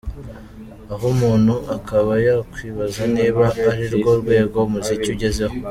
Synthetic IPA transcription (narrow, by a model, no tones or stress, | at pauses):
aɦomuːnhuʔakaβajakwiːβazaniːβaːɾiɾɡo̞ɾɡwe̞ːɡo̞muzicuɟe̞ze̞ho